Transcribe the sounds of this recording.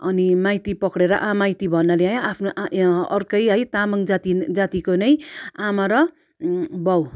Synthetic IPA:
ʌnimajt̪ipʌkɽeɾʌ̰ʔamajt̪ibʱʌnːʌlajapʰnoʔʌrkʌjɦʌjt̪amʌŋd͡zat̪id͡zat̪ikonʌjamʌɾʌ | bʌw

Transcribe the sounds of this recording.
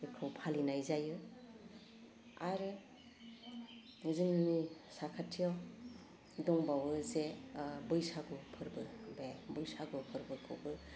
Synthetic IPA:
ɯkʰɯwpʰalinajzajɯ | aɾe | ziŋmisakʰatʰijaw | dɔŋbawɯzebɯjsaɡɯpʰɯɾbɯbebɯjsaɡɯpʰɯɾbɯkʰɯwbɯ

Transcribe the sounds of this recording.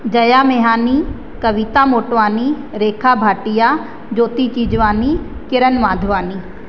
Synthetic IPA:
d͡ʒɐjaːmeɦaːni | kəʋɪt̪aːmoːʈʋaːni | ɾeːkʰaːbʱaːʈɪjaː | d͡ʒoːt̪it͡ʃiːd͡ʒʋaːnikɪɾənʋaːd̪ʱʋaːniː

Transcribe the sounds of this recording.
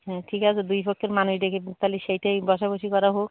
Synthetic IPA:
ɦɛ̃ʈʰikasʰed̪ujfɔkʰːeɾmanuʃd̪ekʰebt̪aliʃejʈajbɔʃaboʃikɔɾaɦok̚

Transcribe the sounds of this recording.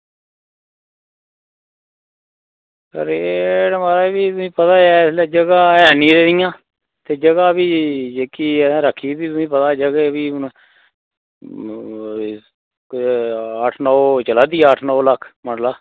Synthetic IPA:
kəɾeːɽmaːɾaːbiːt̪ʊsĩːpət̪aːd͡ʒɛːslɛːd͡ʒəɡaːɛːnĩːɾeːdijãː | t̪eːd͡ʒəɡaːbiːd͡ʒeːkiːãːɾəkʰːiːbiːt̪ʊsĩːpət̪aːd͡ʒəɡeːbiːn | əʈʰnɔːt͡ʃəlaːd̪iːəʈʰnɔːləkʰməɳlaː

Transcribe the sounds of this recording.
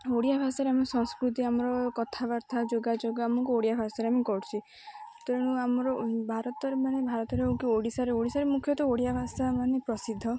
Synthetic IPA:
oɽijabʱasaɾeamɔsɔ̃ŋskɾut̪iamɔɾɔkɔt̪ʰabaɾt̪ʰad͡ʒoɡad͡ʒoɡɔamɔŋkuoɽijabʱasaɾeamikɔɽt͡ʃʰi | t̪ɔɾɔɽ̃ũamɔɾɔbʱaɾɔt̪ɔɾemañebʱaɾɔt̪ɔɾeukioɽisaɾeoɽisaɾemukʰjɔt̪ɔoɽijabʱasamanepɾɔsid̪ʱːɔ

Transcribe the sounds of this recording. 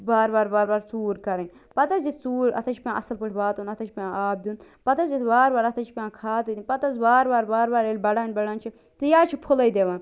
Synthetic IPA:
baːɾbaːɾbaːɾbaːɾt͡suːɾkɐɾẽnʲ | pɐt̪ɐzit͡suːɾɐ̰t̪ʰɐt͡ʃʰipʲãʔɐ̰sɐlpɨʈʰʋaːt̪uːnɐt̪ʰɐt͡ʃʰipãaːb̚d̪uːn | pɐt̪ɐzit̪ʰbaːɾbaːɾɐt̪ʰɐt͡ʃʰi̥pʲãːkʰaːt̪ɨd̪ipɐt̪ɐzbaːɾbaːɾbaːɾbaːɾeːlʲbɐɽaːnʲbɐɽaːnt͡ʃʰi | t̪ɨjaːt͡ʃʰipʰʊlɐjd̪eːʋan

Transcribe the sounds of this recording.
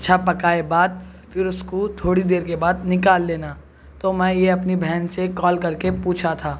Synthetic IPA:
ʃʰapɐkaːebaːd̪̚ | fɪɾʊskot̪ʰoːɽid̪eːɾkebaːd̪nɪkaːlːeːna | t̪omɛ̃ːjeɐpnibʱɛːnsekɔːlkɐɾkepuːt͡ʃʰat̪ʰaː

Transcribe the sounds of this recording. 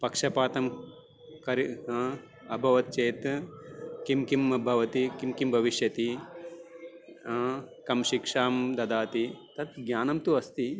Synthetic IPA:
pɐkʂɐpaːt̪ɐm | kɐɾi | ɐbʱɐʋɐt̪̚t͡ʃeːt̪ | kimkimɐbʱɐʋɐt̪ikimkimbʱɐʋiʃjɐt̪i | kɐmʃikʂaːmd̪ɐd̪aːt̪it̪ɐt̪ɡjaːnɐmt̪uɐst̪i

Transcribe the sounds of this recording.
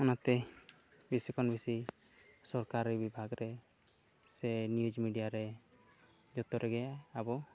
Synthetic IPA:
ɔnat̪ɛ | bisikʰɔnbisi | sɔɾkaɾbibʱaɡɾɛ | sɛnjud͡ʒmiɖijaɾɛ | d͡ʒɔt̪ɔɾɛɡɛabɔ

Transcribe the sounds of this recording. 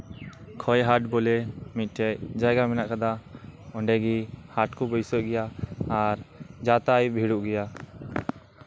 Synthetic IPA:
kʰɔjɦaʈ̚bɔlɛmit̪̚ˀʈɛcd͡ʒajɡamɛnaʔkad̪aɔɳɖɛɡihaʈkɔbɔjsɔʔ̚ɡɛjaːɾd͡ʒat̪ajbʱiɽuʔɡɛja

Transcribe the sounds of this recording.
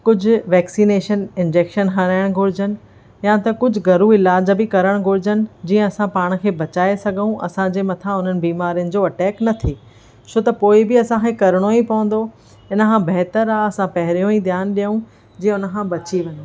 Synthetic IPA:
kʊd͡ʑʱʊ̆ʋɛːksiːneːʃənɪ̃nd͡ʑeːkʃənɦɐɾaːɪɽ̃ɡʱʊɾɪd͡ʑənɪ̆ | jãt̪ɐkʊd͡ʑʱʊɡɐɾuɪlaːd͡ʑbɪkɐɾəɽ̃ɡʱʊɾɪd͡ʑənɪ̆d͡ʑiːə̃ɐsãpaːɽ̃̆kʰeːbɐt͡ɕaːesɐɡʱəũʔɐ̰sãd͡ʑeːmɐt̪ʰãʊn̤ənɪ̆biːmaːɾijənɪ̆d͡ʑoːɐʈɛːknɐt̪ʰiː | t͡ɕʰot̪ɐpoːɪbɪɐsãkʰẽkɐɾɽ̃oipɐʋə̃nd̪o | ɪnkʰãbɐɦt̪əɾaɐsãpɐɦɪɾijõid̪ʱjaːnɗijũ | d͡ʑiːə̃ʊnə̆kʰãːbɐt͡ɕiʋɐɲ

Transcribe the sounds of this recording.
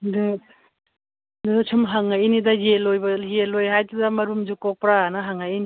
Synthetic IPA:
d | dut͡ʃʰɯmɦaŋajinidajelːojbɐjelːojɦajtudamɐɾumd͡ʒukɔk̚pɾaːnaɦaŋajini

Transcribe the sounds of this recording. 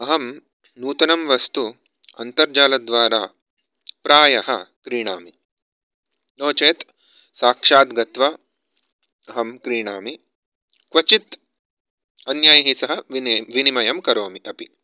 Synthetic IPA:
ɐɦɐm | nuːt̪ɐnɐmʋɐst̪u | ɐ̰nt̪ɐɾd͡ʒaːlɐd̪ʋaːɾaː | pɾaːjɐhɐkɾiːɳaːmi | loːt͡ʃeːt̪ | saːkʂaːt̪ɡɐt̪ʋɐ | ɐɦɐmkɾiːɳaːmi | kʋɐt͡ʃit̪ | ɐnjaːjɐɦisɐɦɐʋinimɐjɐmkɐɾoːmiɐpi

